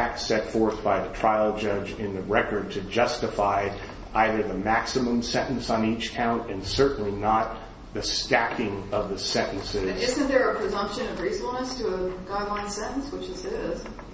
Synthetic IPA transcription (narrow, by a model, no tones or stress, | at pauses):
æk̚tsɛtfɔɹθb̥aɪðɨtʰɹ̥aɪlˠd͡ʒʌd͡ʒɪ̃nðɨɹɛkə˞d̚tʰɨd͡ʒʌstɨfaɪ | ʔaɪðə˞ðəmæksɨmə̃msɛ̃ɾ̃ʔn̩sn̩it͡ʃkʰãʊ̃ntɨ̃nsɜ˞ʔn̩linət̪̚ | ðɨstækɪ̃ŋʌvðɨsɛ̃ñʔn̩sɪzɪzɨ̃nðə˞ɨpʰɹ̥ɨzʌ̃mpʃɨ̃nʌvɹisfl̩ˠnəstʰɨːɡaɪdˡlãɪ̃nsɛ̃ɾ̃n̩swət͡ʃðɨsɪz̥